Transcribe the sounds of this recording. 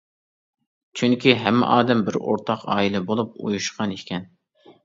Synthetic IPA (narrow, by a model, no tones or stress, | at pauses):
t͡ʃʰyŋkʲʰiɦɛmːɪ̰ʔɑːd̪ɛmbɪɾo̰ɾt̪ʰɑqɑ̰ːilˠɛbolˠup̚ṵjuʃqʰɑnekʲʰɛn